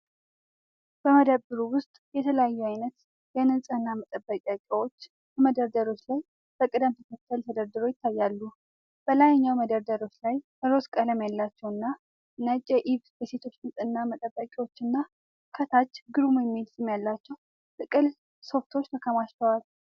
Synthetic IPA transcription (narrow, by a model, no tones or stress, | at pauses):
b̥əməd̪əbbɨɾuwʊst̪ʼjɛt̪ʰələjajːuajnət̪ | jɛnɨnsʼɨnːamət̪ʼəbːəkʼakʼwot͡ʃː | məd̪əɾd̪əɾo̞t͡ʃːlaj | b̥əkʼɨd̪əmt̪ʰəkʰət̪ʰːəlt̪ʰəd̪əɾd̪ɨɾo̞jɪt̪ʰːajːalːu | b̥əlajɲːawməd̪əɾd̪əɾo̞t͡ʃːlaj | əɾo̞skʼələmjalːat͡ʃːɛwɨnːa | nət͡ʃʼːɛʔiβbəse̞t̪ʰo̞t͡ʃːnɨnsʼɨnːamət̪ʼəbːəkʼiwot͡ʃːɨnːa | kʰət̪ʰat͡ʃːɡɨɾumujɛmːilsɨmjalːat͡ʃːɛw | t̪ɨkʼɨl | so̞ft̪ʰo̞t͡ʃːt̪ʰəkʰəmaʃt͡ʃ̪əwal